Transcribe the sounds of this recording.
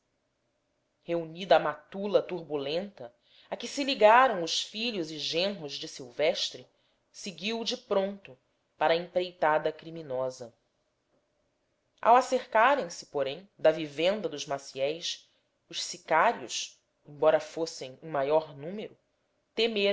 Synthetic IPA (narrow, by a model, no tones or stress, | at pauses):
heunid̪ɐːmat̪ulɐt̪uɾbulẽnt̪ɐ | akɪsɪliɡaɾɐ̃w̃ʊʃfiʎʊzɪʒẽɦʊzd͡ʒɪsiwvɛʃt̪ɾɪ | seɡiwd͡ʒɪpɾõnt̪ʊ | paɾɐẽpɾejt̪ad̪ɐkɾiminɔzɐ | a̰waseɾkaɾẽj̃sɪ̥poɾẽj̃d̪ɐvivẽnd̪ɐd̪ʊzmasiɛjs | ʊʃsikaɾiʊ̰ʃ | ẽj̃bɔɾɐfosẽj̃ũmajɔɾnũmeɾʊ | t̪eme